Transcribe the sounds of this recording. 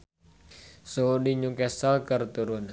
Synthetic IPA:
sodiɲukɛsalkərt̪uɾʊn

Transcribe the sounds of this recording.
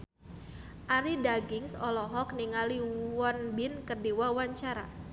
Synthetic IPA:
ʔaɾidaɡɪŋsɔlɔɦɔk̚niŋaliwɔnbɪnkərdiwawaɲt͡ʃaɾa̰

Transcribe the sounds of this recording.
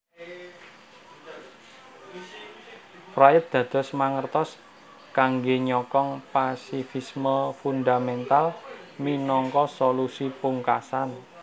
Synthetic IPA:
frajət̪̚d̪̥ä̤d̪̥ɔ̤smaŋərt̪ɔs | kaŋɡeɲɔkɔŋpasifisməfund̪amɛnt̪alminɔŋkɔsolusipuŋkasan

